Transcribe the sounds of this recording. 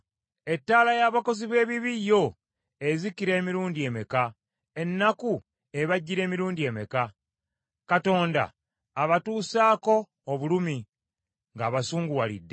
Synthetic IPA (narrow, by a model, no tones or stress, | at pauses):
e̞tːaːlajaːβako̞ziβe̞ːβiβijːo̞ | e̞zikiɾe̞ːmiɾuːndie̞meka | e̞nːaku | e̞βaɟːiɾe̞ːmiɾuːndie̞meka | kato̞ːnda̰ː | βatuːsaːko̞ː | βulumi | ŋɡaːβasuːŋɡuwalḭdːe